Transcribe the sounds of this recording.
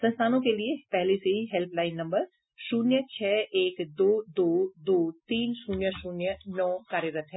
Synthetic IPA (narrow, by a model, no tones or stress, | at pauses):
sɐ̃nst̪ʰaːnõkeliepɛɦleseɦiɦɛlpʰlaːɪnːɐ̃mbəɾ | ʃuːnjət͡ʃʰɛːʔeːkd̪oːd̪oːd̪oːt̪iːnʃuːnjəʃuːnjənɔːkaːɾjəɾət̪ɦɛː